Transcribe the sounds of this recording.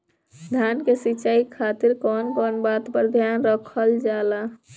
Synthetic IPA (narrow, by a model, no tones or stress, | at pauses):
d̪ʱjankesit͡ʃaikʰat̪iɾkɔnkɔnbat̪pəɾd̪ʱjanɾəkʰəld͡ʒala